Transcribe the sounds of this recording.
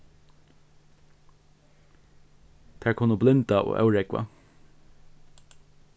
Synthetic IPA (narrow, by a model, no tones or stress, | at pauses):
t̪ʰæːɹkʰʊnːəblɪnt̪ao̰ːʔœ̰wɹɛkʋa̰